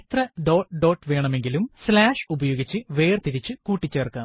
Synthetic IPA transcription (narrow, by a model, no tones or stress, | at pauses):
t̪rɐɖo̞ːʈɖo̞ːʈːʋe̞ːɳɐme̞ŋɡilumslaːʂubɐjo̞ːɡit͡ɕːɨʋe̞ːrt̪iɾit͡ɕːɨkuːʈːit͡ɕːeːrkːaː